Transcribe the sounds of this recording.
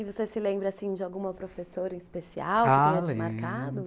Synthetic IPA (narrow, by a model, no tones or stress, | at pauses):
ɪvosesɪlẽmbɾɐasĩd͡ʒɪawɡũmɐpɾofesoɾɐẽispesia̰wkaẽɐd͡ʒɪmaɾkad̪ʊ